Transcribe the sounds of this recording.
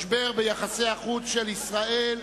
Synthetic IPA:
ʃbeʁbejaχaseaχut͡sʃelisʁael

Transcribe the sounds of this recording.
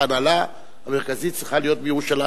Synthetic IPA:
anala | hameʁkazit̪̚sʁiχalijo̞t̪̚bejeʁuʃala

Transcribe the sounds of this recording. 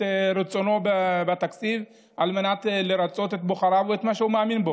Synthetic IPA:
eɾet͡so̞no̞babat̪akt͡siv | ʔalmenat̪leɾat͡so̞t̪e̞t̪̚boχaɾavuet̪maʃehumeaminbo̞

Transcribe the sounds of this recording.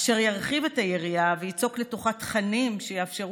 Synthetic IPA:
ʃaʁjaʁχive̞tajeʁijavejit͡sokle̞toχatχanimʃejeafʃeʁ

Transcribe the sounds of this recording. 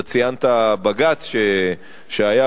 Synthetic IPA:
t͡sijant̪abaɡat͡sʃe | ʃeaja

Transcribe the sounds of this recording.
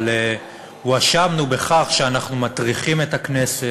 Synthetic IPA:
le | uaʃamnube̞χaχʃeanaχnumat̪ʁiχime̞taknese

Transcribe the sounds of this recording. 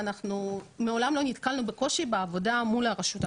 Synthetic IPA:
anaχnume̞o̞lamlo̞nitkalnubeko̞ʃibeavo̞damulaʁaʃut

